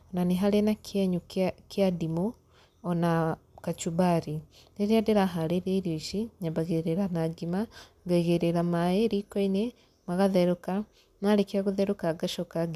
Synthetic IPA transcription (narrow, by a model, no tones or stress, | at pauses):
onaniɦalenakʰɛɲukjadimu | ɔna | kat͡ʃubaɾi | deɾiadeɾaɦaɾeɾeɾjoʃiɲabaɣeɾeɾanaɡima | ɡaiɣeɾeɾamaeɾikoine | maɣaðɛɾuka | nalekiaɣuðɛɾukaɡaʃɔkaɡ